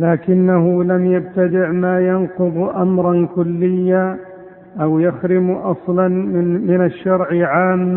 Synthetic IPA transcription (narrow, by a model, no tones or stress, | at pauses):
laːkɪnːaɦʊlamjab̚t̪ad̪ɪʕmaːjanqʊðˤʔamɾˤɑnkʊlːɪjːa | ʔawjaxɾɪmʔɑsˤlɑnmɪnaʃːɑɾˤʕʕaːmː